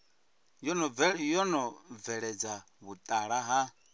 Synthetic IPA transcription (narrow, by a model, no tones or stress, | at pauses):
jɔnɔɛjɔnɔvɛɺɛd͡za | βut̪ʼaɺaɦa